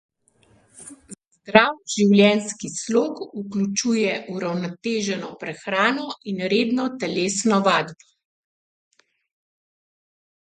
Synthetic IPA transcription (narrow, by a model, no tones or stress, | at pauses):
zd̪ɾawʒiwljɛnskisloːkuklʲut͡ʃuːjɛʔuɾawnɔt̪eːʒɛnɔpɾɛxɾaːnɔʔinɾeːd̪nɔt̪ɛleːsnɔʋaːd̪bɔ